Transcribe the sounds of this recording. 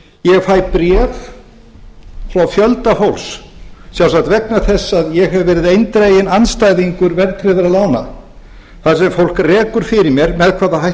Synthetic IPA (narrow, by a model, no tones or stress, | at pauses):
jɛɣfaːjpɾɛːv | fɾawfjœlt̪afowlssjawsat̪vɛknaθɛsːaðjɛɣɦɛvvɛːɾɪðejnt̪ɾejɪnanst̪ajðiŋkʏɾvɛrt̪ʰɾɪːðʏɾaðlaːwna̰ | θaðsɛmfowl̥krɛːkʏɾ̥fɪɾɪɾmjɛɾmɛðkʰvaːðaɦaj